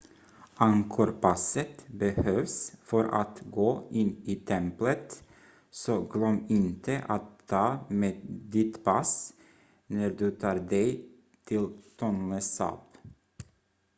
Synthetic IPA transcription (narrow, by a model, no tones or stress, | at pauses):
ʔɑŋkʰʊɾpʰɑsət̪bəhøːʋsfœɾʔa̰t̪ɡoːʔɪniːt̪ʰɛmplət̪ | soɡlœmːɪnt̪ʰəʔat̪ʰːɑːmeːd̪ɪt̪pʰɑs | næɾd̪ʉt̪ʰɑːɾd̪ɛɪ | t̪ʰɪlt̪ʰɔnləsɑ̰ːp